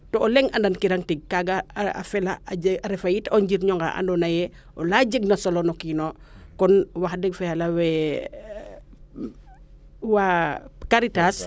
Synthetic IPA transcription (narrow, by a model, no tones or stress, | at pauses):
tɔːlɛŋɐndankiɾaŋtiɡ̚kaɡɐa̰fɛlaaɾɛfajitɔɲd͡ʒiɾɲɔŋɡa̰ʔa̰ndɔnɐjɛ | ʔɔlad͡ʒəɡ̚nɐsolɔnɔkinokɔnwaxdɛɡfɛalɐwɛ | wakaɾitas